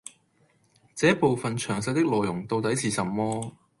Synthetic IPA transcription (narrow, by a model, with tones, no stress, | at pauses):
t͡sɛː˨˥po˨wfɐ˨nt͡ʃʰœː˨˩ŋsɐ˧jt̪ɪ˥k̚lɔː˨jʊ˨˩ŋt̪o˧wt̪ɐ˨˥jt͡sʰiː˨˩sɐ˨˩mːɔː˥